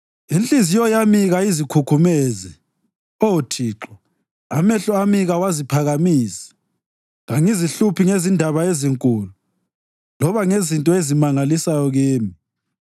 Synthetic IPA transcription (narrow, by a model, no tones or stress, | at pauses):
int͡ɬʼizijɔjamiɣaizikʰukʰumezɛ | outʰiːǁɔ | amɛɬɔamiɣawazipʰaɣamiːsḁ | ɣaŋiziɬupʰiŋezindʱaβaeziŋkʼuːlu | lɔβaŋezintʼɔezimaŋalisajɔɣeːmi